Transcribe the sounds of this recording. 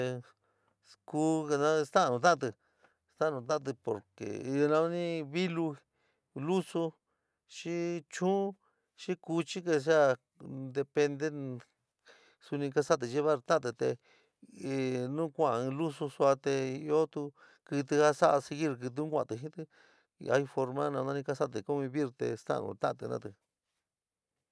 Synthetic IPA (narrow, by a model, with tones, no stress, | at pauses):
e˧ | ku˦˧nã˦˧st̪ã˦˧nũ˧t̪̬ã˦a˧t̪̬ɨ˧ | st̪a˦˧ũ˧t̪̬ã˦a˧t̪̬ɨ˧po̰˨ɾkḛ˨˧nã˧˦nĩ˦βi˦lu˧ | lu˦su˧ | ʃi˦t͡ʃũː˦ | ʃi˦ku˧t͡ʃi˦k̬e˧ʃ̬a˦ | d̪e˧pe˧nd̪e˦ | su˧nĩ˧ka˧sa˦t̪̬ɨ˧t͡ʃe˦βa˦˧ɾt̪ã˦˧t̪ɨ˧t̪e˧˨ | nũ˦kʷã˦˨˧lu˦su˧su˧a˧t̪e˧i˧o˦t̪u˧ | kɨ˧t̪ɨ˧ha˦sa˦ʔa˧si˧ɣi˦ɾk̬ɨ˧t̪̬ɨ̃˧˦kʷã̰˧˨t̪ɨ˧ɦĩ˦t̪ɨ˧ | a̰˧i˧fo˧ɾmã˦nã˧nã˧ĩ˧ka˧sa˦t̪̬ɨ˧ku˦βĩ˧βi˦˧ɾt̪ḛ˧st̪a̰˦ʔnṵ̃˧t̪ã̰˦ã˧˨t̪ɨ̰˧nã̰˧t̪ɨ˧